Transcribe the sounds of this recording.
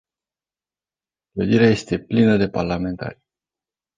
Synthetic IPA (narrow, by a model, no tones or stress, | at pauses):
kləd̪iɾeaje̞st̪e̞plinəd̪e̞parlame̞nt̪a̰ɾʲ